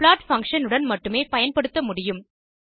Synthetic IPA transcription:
plaːʈfɐŋkʂɐnɯɽɐnmɐʈːɯmeːpɐjɐnpɐɽɯt̪ːɐmʊɽɪjɯm

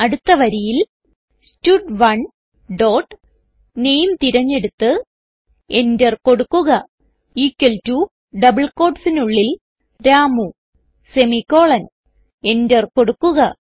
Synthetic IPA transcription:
ɐɽut̪ːɐʋɐɾijil | stuʈʋɐɳ | ɖo̞ːʈː | ne̞jmt̪iɾɐɲːe̞ɽut̪ːɨ | e̞ndɐrko̞ɽukːuɣɐ | iːkːɐltu | ɖɐbɐɭko̞ːʈsinuɭːil | ɾaːmu | se̞mikːo̞ːɭɐn | e̞ndɐrko̞ɽukːuɣɐ

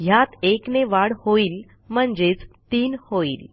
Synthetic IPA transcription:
jat̪ekneʋaɽhoiːl | m̤əɳd͡ʑet͡st̪iːnhoiːl

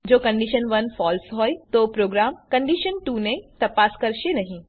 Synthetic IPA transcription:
d͡ʒoːkɐ̃ɳɖiːʃənʋɐnfɔːlsɦoːit̪opɾoːɡɾaːmkɐ̃ɳɖiːʃənʈuːnẽt̪ɐpaːskɐɾʃenɐɦĩ

